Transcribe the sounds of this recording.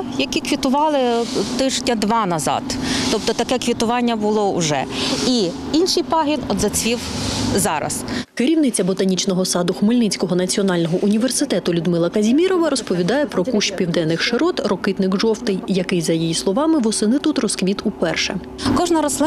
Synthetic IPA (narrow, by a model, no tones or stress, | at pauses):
jɐkʲikʋʲit̪ʊʋɑlˠɪt̪ɪʒdʲɐd̪ʋɑnɐzɑ̰t̪ːɔp̚t̪ɔt̪ɐkɛkʋʲit̪ʊʋɑnʲːɐbʊlˠɔʊ̰ʒɛ̰i | inʃɪjpɑɦʲinɔd̪zɐt͡sʲʋʲiwzɑɾɐ̰skɪɾʲiwnɪt͡sʲɐbɔt̪ɐnʲit͡ʃnɔɦɔsɑd̪ʊxmɪlʲnɪt͡sʲkɔɦɔnɐt͡sʲiɔnɑlʲnɔɦɔʔunʲiʋersɪt̪ɛt̪ʊlʲʊd̪mɪlˠɐkɐzʲimʲiɾɔʋɐɾɔspɔʋʲid̪ɑjɛpɾɔkuʃpʲiwd̪ɛnːɪxʃeɾɔt̪rɔkɪt̪nɪxʒɔwt̪ɪjjɐkɪjzɐjijislˠɔʋɑmɪʋɔsɪnɪt̪ut̪rɔskʋʲit̪upɛrʃɛ̰ | kɔʒnɐɾɔslˠɪ